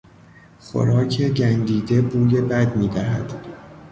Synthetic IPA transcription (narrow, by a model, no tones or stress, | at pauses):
xo̰ɾɒːcʰe̞ɟænd̪iːd̪ebuːje̞bæd̪miːd̪æɦæ̰d̪̥